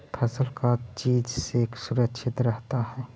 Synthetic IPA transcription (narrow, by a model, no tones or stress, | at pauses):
pʰəsəlkat͡ʃiːd͡ʒseːksʊɾəkʃʰɪt̪ɾəɦt̪aɦɛː